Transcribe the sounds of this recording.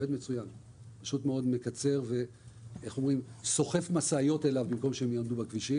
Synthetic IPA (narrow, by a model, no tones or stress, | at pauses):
ed̪met͡sujan | paʃut̪meo̞d̪me̞kat͡se̞ʁve̞ | eχo̞mʁimso̞χe̞fmasaːjo̞t̪e̞lavbimko̞mʃeemjomd̪ubakviʃi